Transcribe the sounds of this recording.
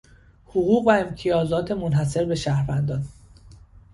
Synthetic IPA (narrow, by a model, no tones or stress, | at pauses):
hoɣuːɣvæemt̪ʰijɒːzɒːt̪ʰe̞monɦæs̬e̞ɾbe̞ʃæhɾvænd̪ɒːn